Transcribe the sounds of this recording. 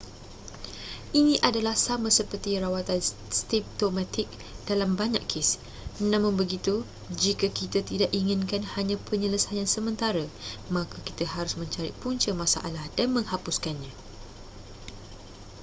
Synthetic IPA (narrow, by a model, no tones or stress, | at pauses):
ʔinĩʔadalahsamãsəpərt̪iɾawat̪an | st̪ip̚t̪omãt̪ɪk̚ | d̥alambaɲa̰ʔkʰɪs | nãmʊ̃nbəɡit̪u | d͡ʒikəkit̪at̪idaʔiŋɪ̃nkanhaɲãpəɲələsajansəmə̃nt̪aɾəmãkʰaki̥t̪əɦaɾʊsmə̃ɲt͡ʃaɾɪ̰ʔpuɲt͡ʃəmasa̰ʔalahdanmə̃ŋhapuskanɲã